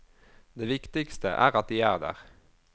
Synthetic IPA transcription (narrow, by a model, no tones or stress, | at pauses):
d̪eːʋɪkt̪ɪkst̪ə̰ʔæ̰ːʁɑt̪̚d̪iːæːʁd̪æ̰ːʁ